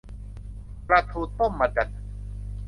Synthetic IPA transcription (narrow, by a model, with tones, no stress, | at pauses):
pɾa˧t̪ʰuː˧t̪ːo˥˩mːa˧da˨˩t̪̚